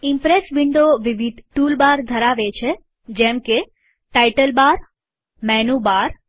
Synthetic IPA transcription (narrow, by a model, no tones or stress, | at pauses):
ɪmpɾesbɪɳɖoʋɪʋid̪ʱʈulbaɾd̪ʱəɾaʋet͡ʃʰe | d͡ʒɛmke | ʈajʈəlbaɾ | mɛnubaɾ